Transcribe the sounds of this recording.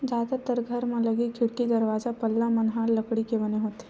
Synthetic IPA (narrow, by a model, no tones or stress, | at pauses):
d͡ʒaːd̪at̪əɾɡʱɐɾmẽlɐɡikʰɪɽkid̪ɐɾʋaːzapɐlːamɐnɦaːllɐkɽikebɐneɦoːt̪e